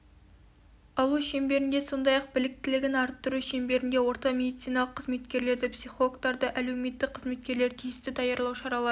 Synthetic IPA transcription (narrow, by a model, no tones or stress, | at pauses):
ɑlˠuʃe̞mbe̞ɾɪnd̪e̞so̞nd̪ɑjɑq̚bɪlɪk̚t̪ɪlɪɡʲɪnɑɾt̪ːʊɾuʃembe̞ɾɪnd̪e̞wo̞ɾt̪ɑmʲe̞d̪ijt̪sijnɑlˠəqʰːəzme̞t̪kʲe̞ɾle̞ɾd̪ɪpsiχookt̪ɑɾd̪əʔæle̞wme̞t̪ːɪk̚qʰːəzme̞t̪̚kʲe̞ɾle̞ɾt̪ʰijɪst̪ɪd̪ɑjɑɾlˠɑwʃɑɾɑlˠɑɾ